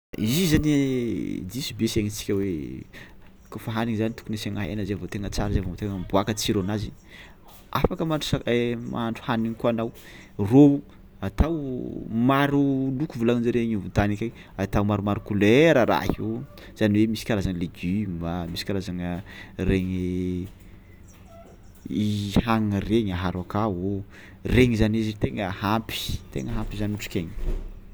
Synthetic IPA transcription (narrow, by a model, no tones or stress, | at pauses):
izizan | d̪isibeseŋit͡si̥kʲəwe | kufaɦaniŋizanit̪u̥kuneseŋaɦḛnəzeavot̪eŋət͡saɾazeavoot̪eŋəmbuakət͡siɾonazi | afakəmaɳʈ͡ʂu̥amaaɳɖ͡ʐu̥haniŋikoanaw | rou | at̪awmaɾulukuvulanind͡ʒaɾeɲivut̪anikʲa | at̪awmaɾumaɾukuleɾəɾa̰hi | z̥aniwemisi̥kʲalazaŋəleɡimbamisi̥kʲalazaŋəreɲ | ihaŋəreɲaɦaɾakao | reŋizanizit̪eŋəhampi̥t̪ḛŋəɦampizanuʈ͡ʂu̥kʲeɲ